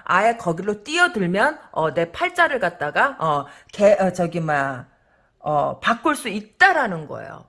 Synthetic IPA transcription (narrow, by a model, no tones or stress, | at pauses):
a̰e̞kʌɡiɾot͈iʌdɯɭmjʌnʌne̞pʰaɭt͡ɕ͈aɾɯɭkat̚t͈aɡaʌkeʌt͡ɕʌɡima | ʌpak͈ʰɯɭs͈uit̚t͈aɾanɯnɡʌ̰ḛjo̰